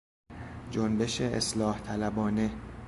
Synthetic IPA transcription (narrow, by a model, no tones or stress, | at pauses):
d͡ʒonbe̞ʃeḛslɒːht̪ʰælæbɒːne̞